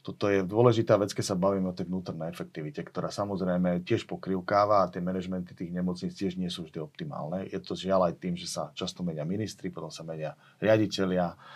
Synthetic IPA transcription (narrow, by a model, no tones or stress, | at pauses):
t̪ɔt̪ɔjɛd̪ʊɔlɛʒit̪aːʋɛt͡skɛsabaʋiːmɛɔt̪ɛjvnuːt̪ɔɾnɛjɛfɛk̚t̪iʋicɛkt̪ɔɾaːsamɔzɾɛjmɛcɪɛʃpɔkɾiʊkaːʋaːt̪ɪɛmɛnɛʒmɛnt̪i̥t̪iːɣɲɛmɔt͡sɲit͡scɪɛʒɲɪɛsuːvʒd̪iɔp̚t̪ima̰ːlnɛjɛt̪ɔzɪalajt̪iːmʒɛsat͡ʃast̪ɔmɛɲɪaminist̪ɾipɔt̪ɔmsamɛɲɪa | ɾɪaɟicɛlɪa